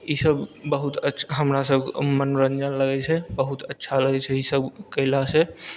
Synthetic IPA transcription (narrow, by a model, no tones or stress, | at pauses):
isəbːəɦut̪ətːʰɦəmɾasəbmənɾənd͡ʒənləɡɛt͡ʃʰɛbəɦut̪ətːʃʰaləɡɛt͡ʃʰɛisəbkəɦlase